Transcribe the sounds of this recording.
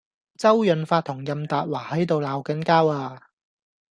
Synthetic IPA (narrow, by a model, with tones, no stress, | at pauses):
t͡sɐ˥wjɵ˨˧nfaː˧t̪̚ʰːʊ˨˩ŋjɐ˨mt̪aː˨t̚waː˨˩hɐ˨˥jt̪o˨wlaː˨˥wkɐ˨˥nkaː˥waː˧